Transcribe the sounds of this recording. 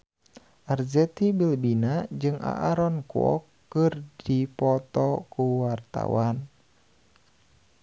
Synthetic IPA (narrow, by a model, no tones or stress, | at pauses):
ʔarzɛt̪ibilbinad͡ʒɨŋʔa̰ʔaɾɔnkuɔ̰kːɨrdipɔt̪ɔkuwart̪a̰wan